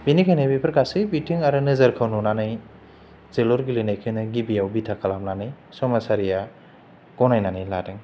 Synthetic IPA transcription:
binikʰajnajbipʰɾkasɯbitiŋaɾɯnɯzɐɾkʰawnunanaj | zelɔɾɡilinajkʰɯnɯɡibijawbitʰakʰalamnanaj | sɔmasaɾija | ɡ̥ɔnajnanɯjladeŋ

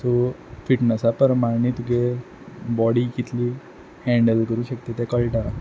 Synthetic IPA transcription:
so | fiʈnəsapəɾmaɾnit̪ɡe | bɔɽikit̪liː | hɛ̃ɳɖəlkəɾũːɕəkt̪et̪ɛ̃kəɭʈã

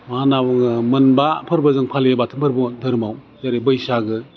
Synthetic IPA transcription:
manawŋmɯnbapʰɯɾbɯzɯŋpʰalebatʰɯmbʰɯɾbɔdɯɾɯmaw | zaɾibɯjsaɡɯ

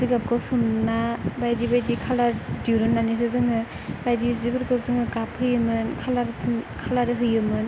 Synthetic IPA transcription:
ziɡap̚kʰɔsumnabajdibajdikʰaladiɾɯnːanis̬ɯzɯŋɯ | bajdizibɯɾkʰɯzɯŋɯɡaphɯjɯmɯnkʰalaɾɯkʰalaɾɯɦɯjɯmɯn

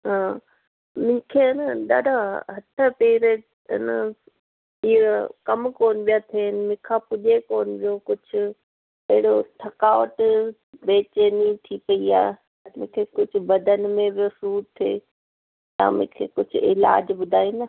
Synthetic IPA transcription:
ɦãː | mʊ̃kʰeɐnəɗaːɖaɦɐʈʰəpeːɾe | ɐ̰nə | ikɐmkoːnɪbijat̪ʰeːnɪmɪ̃kʰapʊʄekoːnbijokʊd͡ʑʱʊ | ɐɦɪɽoʈʰɐkaːʋəʈ | beːt͡ɕenit̪ʰipɐiaːɦe | mʊ̃ɦkʰekʊd͡ʑʱʊ̆bɐd̪ʱənɪ̆mẽbjosuːɾt̪ʰːḛː | t̪ã̰ːmʊ̰̃ɦkʰḛːkʊd͡ʑ̰ʱɪ̰la̰ːd͡ʑbʊd̪ʱaːinɐ

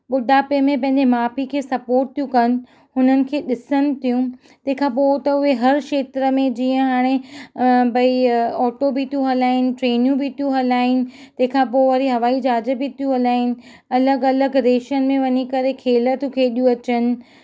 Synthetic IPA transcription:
ɓʊɗʱaːpemẽpɐ̃ɦɪ̃ɲd͡ʑemaːpikʰeːsɐpoːɾʈ̚t̪ʰijũkɐnɪ̆ | ɦʊnənɪ̆kʰeːɗɪsənɪ̆t̪ʰijũ | t̪ɐ̃ɦɪ̃kʰãːpoːt̪ɐʊɦeɦɐɾkʃeːt̪ɾəmẽd͡ʑiːə̃ɦaːɽ̃e | bɐiɔːʈobʱit̪ʰijũɦɐlaːɦɪnɪ̆ʈɾeːnijũbʱit̪ʰijũɦɐlaːɦɪnɪ̆t̪ɐ̃ɦɪ̃kʰãpoːʋɐɾiɦɐʋaːid͡ʑaːd͡ʑə̆bʱit̪ʰijũɦɐlaːɦɪnɪ̆ | ɐləɡɐləɡɾeːʃənɪ̆mẽʋɐɲikɐɾekʰeːlət̪ũkʰeːɗijũɐt͡ɕənɪ̆

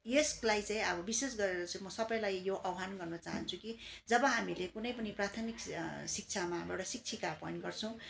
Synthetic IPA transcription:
jeslajt͡saĩʌbʌbises̬ɡʌɾeɾʌt͡simʌsʌbʌj̃lajjoʔʌwɦanɡʌrnʌt͡sa̰ɦʌ̰nt͡sʰukid͡zʌbʌɦamilekunʌjpʌniprat̪ʰʌmiksik̚t͡sʰamaɦa̰mewɽasik̚t͡sʰikapʌinʈɡʌrt͡sʰʌ̃w̃

